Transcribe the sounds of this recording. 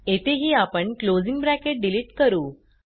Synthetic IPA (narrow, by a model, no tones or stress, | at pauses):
et̪ʰeɦiːapəɳklod͡ziŋɡbɾækeʈ̚ɖiliːʈkəɾuː